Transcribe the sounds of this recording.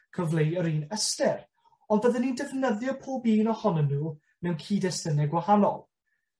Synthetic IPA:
kʰəvlˠejəɾiːnəstɛr | ɔndbəðɛnindɛvnəðjɔpʰoːbiːnɔhɔnənːuː | nɛwnkʰiːdɛsənɛɡwahanɔ̰lˠ

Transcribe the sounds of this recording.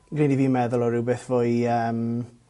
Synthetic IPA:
ɡ̥riniviːmɛðʊlˠɔɾɪwbeθv̥oːɨəːm

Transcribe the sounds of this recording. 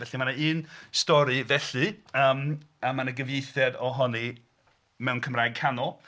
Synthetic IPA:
vɛɬimanaɨːnstɔɾɨvɛɬɨəːmamanəɡəvjejθjɛdɔɦɔni | mɛwnkʰəmraːjɡ̚kʰanɔlˠ

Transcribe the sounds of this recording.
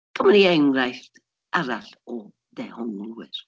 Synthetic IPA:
kʰəmaniɛŋrajθ | aɾaɬɔ | d̥ɛhɔnlˠuwɪr

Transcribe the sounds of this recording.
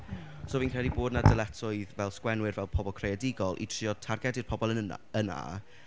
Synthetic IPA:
soːviːnkʰrɛlˠiboːdnadəlˠɛtʰʊɨðvɛlˠskwɛnwɪrvɛlˠpʰɔbɔlˠkʰrejadɪɡɔlˠʔḭtʰr̥iːɔtʰarɡɛdɪrpʰɔbɔlˠənəna̰əna̰

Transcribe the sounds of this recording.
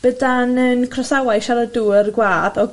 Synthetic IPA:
b̥ədanənkʰrɔsawajʃaləduːərɡwaːðɔɡ

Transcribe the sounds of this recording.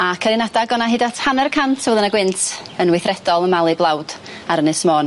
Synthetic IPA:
akʰəɾɪnadaɡɔnaɦɪdatʰhanɛrkʰantʰvɛðˠənaɡwɪntʰənwɪθrɛdɔlˠənmalˠɨblˠawd̥ | aɾənɨsmɔːn

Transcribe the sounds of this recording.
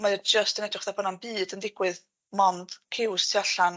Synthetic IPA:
maəd͡ʒəstənɛdrɪχðabɔnanbɨːdəndɪɡwɨð | mɔnd̥kʰɪwstʰiaɬan

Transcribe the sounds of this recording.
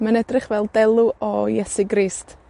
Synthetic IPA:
manɛdrɪχvɛlˠdɛlˠuʔɔjɛsɪɡriːst

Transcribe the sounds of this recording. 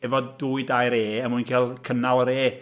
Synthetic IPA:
ɛvɔduːɨdajɾeːəmujnkʰeːlˠkʰənawəɾeː

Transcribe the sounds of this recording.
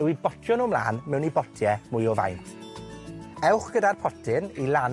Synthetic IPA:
ɛwibɔtʰjɔnɔmlˠa̰ːnmɛwnibɔtʰjɛmʊjɔva̰jntʰ | ɛwχɡ̥ədarpʰɔtʰɪnilˠan

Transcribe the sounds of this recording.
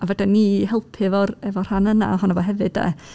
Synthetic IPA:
avɛdɛniːhɛlˠpʰɪvɔrɛvɔr̥hanəna̰ɦɔnavɔɦɛvɨd̥ɛ̰

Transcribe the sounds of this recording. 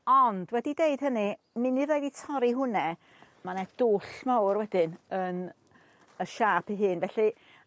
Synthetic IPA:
ɔndwɛdideɨd̥ɦənɨ | mɨniðeɨditʰɔɾiɦʊnɛ | manɛd̥oːɬmawrwɛd̥ɪnən | əʃaːpʰiɦɨːnvɛɬi

